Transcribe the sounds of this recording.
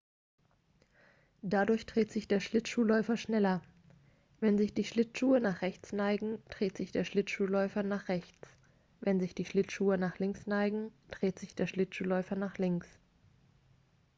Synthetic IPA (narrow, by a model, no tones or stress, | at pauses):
d̥adʊɐçd̥ʁ̥eːtz̥ɪçd̥eːɐʃlɪtʃuːlɔʏfɐʃnɛlɐ | vɛnzɪçd̥iːʃlɪtʃuːənaːχʁ̥ɛçt͡snaɪɡŋ̩d̥ʁ̥eːtz̥ɪçd̥eːɐʃlɪtʃuːlɔʏfɐnaːχʁ̥ɛçt͡s | vɛnzɪçd̥iːʃlɪtʃuːənaːχlɪŋsnaɪɡŋ̩d̥ʁ̥eːtz̥ɪçd̥eːɐʃlɪtʃuːlɔʏfɐnaːχlɪŋks